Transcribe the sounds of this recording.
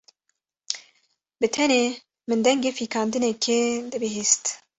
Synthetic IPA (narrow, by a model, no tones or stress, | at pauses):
bɨt̪ʰɛneː | mɨnd̪ɛŋɡeːfiːkʰɑːnd̪ɨnekʰed̪ɨbɨɦiːst̪